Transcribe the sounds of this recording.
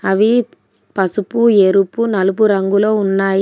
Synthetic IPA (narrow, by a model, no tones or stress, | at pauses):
ɐʋi | pɐsupueɾupːunɐlup̬uɾɐŋɡuloːunːaːj